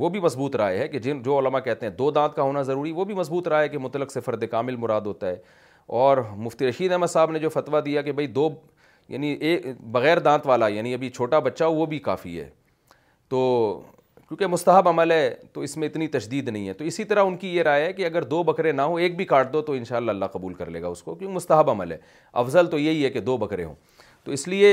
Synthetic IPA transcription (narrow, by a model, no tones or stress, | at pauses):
ʋobʱimɐsbuːt̪ɾa̰ːeɦɛked͡ʒɪnd͡ʒoːʊləmakɛɦt̪ẽɦɛ̃d̪oːd̪ãːt̪̚kaɦoːnazɐɾuːɾiʋobʱimɐsbuːt̪ɾaːeɦɛkemʊt̪ələksɪfəɾd̪ekaːmɪlmʊɾaːd̪ɦoːt̪aɦɛː | ɔːɾmʊft̪iɾɐʃiːd̪ɛɦməd̪saːbned͡ʒoːfɐt̪ʋad̪ijak̬ebʱɐid̪oː | ja̰ːnieːkbɐɣɛːɾd̪ãːt̪ʋaːlajaːniɐbʱit͡ʃʰoːʈabɐtːʃaoʋobʱika̰ːfḭɦɛ̰ː | t̪oː | kjõːkemʊst̪əɦəbɐməlɦɛːt̪oɪsmẽɪt̪nit̪ɐʃd̪iːd̪nɐɦĩɦɛt̪oɪsit̪ɐɾaʊnkijeɾaːjɦɛkeɐɡəɾd̪oːbɐkɾẽnaɦoeːk̚bʱikaːʈ̚d̪ot̪oɪ̃nʃaːlːaɐlːaqɐbuːlkɐɾlḛːɡa̰ʊskokjõːkemʊst̪əɦəbɐməlɦɛ̰ː | ɐ̰fzəlt̪ojeɦiɦɛked̪oːbɐkɾḛ̃ɦõ̰ː | t̪oːɪslie